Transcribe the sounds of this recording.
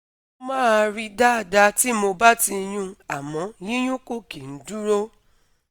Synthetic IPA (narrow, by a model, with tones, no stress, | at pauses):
o˧mãː˦˨ɾi˧da˦a˨da˧ti˦mo˧ba˦ti˧j̃ũ˧a˨mɔ̃˨˦jĩ˦j̃ũ˦ko˦ki˨n̩˨˦du˦ɾo˦